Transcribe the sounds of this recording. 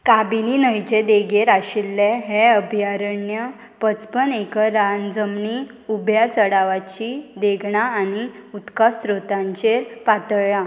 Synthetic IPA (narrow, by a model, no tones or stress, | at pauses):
kabininəjt͡ɕed̪eɡeɾaɕilːɛɦɛəbʱjaɾəɳjə | pət͡spənekəɾand͡zəmɳi | ubʱjat͡səɽaʋat͡ɕid̪eɡʱɳaːniut̪kast̪ɾot̪ãɲt͡ɕeɾpat̪əɭɭa